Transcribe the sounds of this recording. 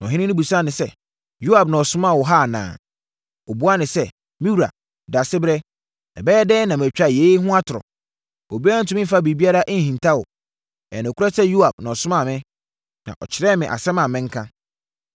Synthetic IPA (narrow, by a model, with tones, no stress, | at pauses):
n˨ɔ˨ɦɪ̃˦nɪ̃˦nɪ̃˦bu˨sa˦nɪ̃˨sɛ˦ | ju˦a˨bnã˨ɔ˨sʊ̃˦mã˦˨wɔ˨ɦa˦˨nã̰ː˨ | ɔ˨bu˦a˦nɪ̃˨sɛ˦ | mĩ˦wu˨ɾa̰˨ | da˨sɪ˦bɾɛ˦ | nã̰˨bɛː˦ɛ˦dɛː˦nã˨m˨t͡ɕᶣa˦˨je˨˦ɦʊ̃˦a˦tʰʊ˨ɾɔ̰˨ | o˨bi˦ã˦n̩˨tʰʊ̃˨˦mɪ̃˦m̩˦fa˦bi˨bi˦a˦ɾa˦ʔn̩˨hĩ˨ntʰa˦wʊ̰˨ | ɛ̰˨nʊ̃˨kʰʊ˦ɾɛ˦sɛ˦ju˦a˨b̥̚nã˨ɔ˨sʊ̃˦mã˨mɪ̃˦ | nã̰˨ʔɔ̰˨t͡ɕʰɪ˨ɾɛ˦mɪ̃˨ʔa̰˨sɛ̃˦mã˨mɪ̃˦ŋ̩˦kʰã˦